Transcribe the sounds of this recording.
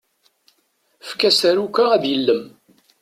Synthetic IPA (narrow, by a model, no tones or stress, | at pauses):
fkæsæɾukʷːaæðjəlːəm